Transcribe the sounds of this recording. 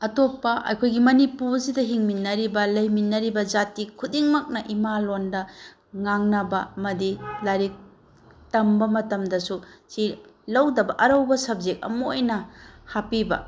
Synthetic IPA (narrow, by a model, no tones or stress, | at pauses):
ɐtopːɐʔɐ̰jkʰojɡimɐnipusidɐɦiŋminːɐɾibɐlɐjminːɐɾibɐd͡ʒatikʰudiŋmɐk̚nɐʔimalondɐ | ŋaŋnɐbɐɐmɐdilaɾik̚ | tɐmbɐmɐtɐmdɐsusilɐwdɐbɐʔɐɾɐwbɐsɐb̚zek̚ɐ̰moojnɐhapibɐ̰